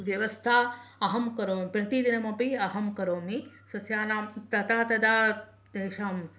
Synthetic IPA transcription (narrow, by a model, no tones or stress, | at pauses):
ʋjɐʋɐst̪ʰaːɐɦɐmkɐɾoːmipɾɐt̪id̪inɐmɐpiɐɦɐmkɐɾoːmi | sɐsjaːnaːmt̪ɐt̪aːt̪ɐd̪aː | d̪eːʃaːm